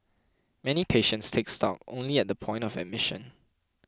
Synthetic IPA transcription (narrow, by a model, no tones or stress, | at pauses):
mɛnipʰeʃə̃ntstʰekstɔ̰k̚õ̰nliɛt̚dəpʰɔ̃ɪ̃ntɔvɛ̰d̚mɪʃə̰̃n